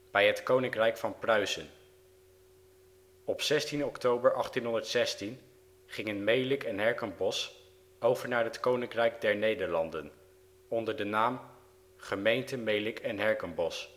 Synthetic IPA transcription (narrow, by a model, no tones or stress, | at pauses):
b̥ɛjɦətkownɪŋkrɛjkfɑnprœɥzən | ɔpsɛstinɔktowbəɹʔɑχtinɦɔndəɹtsɛstin | χɪŋənmejlɪkɛnɦɛɹkənbɔs | owvəɹnaːɹɦətkownɪŋkrɛjkdɛɹnejdəɹlɑndən | ɔndəɹdənaːm | χəmejntəmejlɪkʰɛnɦɛɹkənbɔs